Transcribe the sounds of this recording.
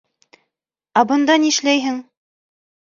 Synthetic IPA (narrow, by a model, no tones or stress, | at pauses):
æbɤ̆nd̪ɑniʃlæjɦɘŋ